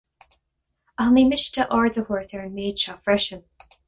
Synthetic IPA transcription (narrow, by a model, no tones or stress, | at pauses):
animɪʃtəʔɔɹdəwɔɹtəɹənmeːdʃafɹɛʃən